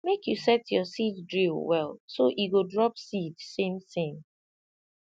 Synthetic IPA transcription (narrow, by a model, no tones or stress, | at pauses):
mekjusɛtjɔsitdɹilwɛlsoʔiɡodɹɔpsidsẽmθẽm